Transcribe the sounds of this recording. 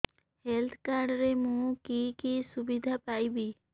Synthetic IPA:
helt̪ʰkaɾɖɾemũkikisubid̪ʱapajbi

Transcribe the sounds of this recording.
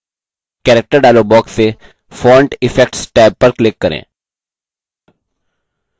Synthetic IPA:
kɛːɾɛk̚ʈəɾɖaːloːbɔːkseː | fʰɔːɾɳʈɪfʰɛk̚ʈsʈɛːb̚pəɾklɪkːəɾḛ̃ː

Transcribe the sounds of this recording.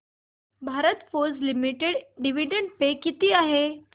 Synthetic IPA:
bʱaɾət̪foɾd͡zlimiʈeɖɖiʋiɖəɳɖ̚pekit̪iːaɦe

